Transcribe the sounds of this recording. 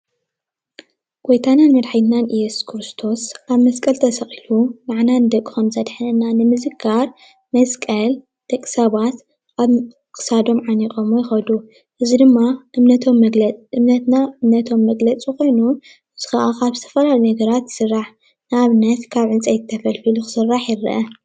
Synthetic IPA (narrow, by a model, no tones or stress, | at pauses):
ɡ̥ojt̪ʰananmɐd̪ħajt̪nanʔɨjːɛsu̥skʰɾɨst̪ʰo̞sʔaβmɐskʼɐlt̪ʰɐsɐχʼilumaʕnanɨd̪ɐkʼːixɐmzɐd̪ħanɨnːanɨmɨzɨɡaɾ | mɐskʼɐl | d̪t̪ɐkʼːɨ̥saβat̪ | ʔaβ | kʼɨ̥sad̪o̞mʕanikʼomojɪxɐd̪u | ʔɨzid̪ɨmːaʔɨmnɐt̪ʰomɨmnɐt̪naɨmnɐt̪ʰo̞mːɐɡlɐt͡sʼiko̞jnu | ɨz̥ɨxaʔakaβzɨt̪ʰɐ̥fɐlalunɐɡɐɾat̪jɨ̥sɨrːaħ | nɨaβnɐt̪kʰaβʕɨnt͡sʼajt̪ʰːɐfɐlfiluxɨ̥sɨrːaħjɪrɨ̰ʔɐ